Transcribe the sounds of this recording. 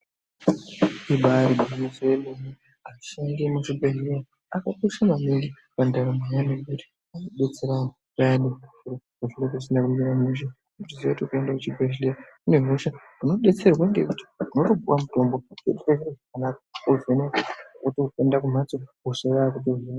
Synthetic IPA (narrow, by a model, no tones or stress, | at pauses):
iɓaɾiɓuimisojemeni | aʃaŋɡemuʐibʱeɦlera | akakuisamamiŋɡi | pandaɾamajanekuti̥ | anoɓe̞t͡se̞ɾa | pajaneeiɾo | uʐinekusinakumiɾamuʃa | utizietiukuendakut͡ʃibʱeɦileɾa | une̞ɦuʃa | uno̞ɓe̞t͡se̞rwaiŋɡekuti̥unotobʱuwamuto̞mbot͡ʃḛɗukeʃiɾaʐakanakḁozeneutiukendakum̤at͡souseraakuteɦea